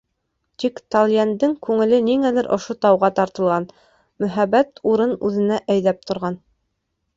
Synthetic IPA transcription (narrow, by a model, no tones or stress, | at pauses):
t̪ikt̪ɑlʲˠjænd̪ɘŋkʉŋɘ̆lɘniŋælɘɾʔŏʃot̪ɑwʁɑt̪ɑɾt̪ɤ̆lˠʁɑn | mɵ̆ɦæbæt̪uɾɤnʉðɘ̆næʔæjðæp̚t̪ŏɾʁɑn